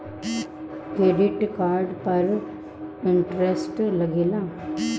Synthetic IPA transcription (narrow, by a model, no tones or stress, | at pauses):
kɾeːɖɪʈkaːɾɖpɐɾ | ɪɳʈɾesʈlɐɡilãː